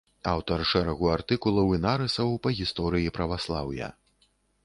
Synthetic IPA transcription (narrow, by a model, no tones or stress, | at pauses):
awt̪ɐrʂɛɾɐɣuart̪ɨkulˠɐwinaɾɨsɐwpɐɣʲist̪ɔɾɨjipɾɐvaslˠawjɐ̰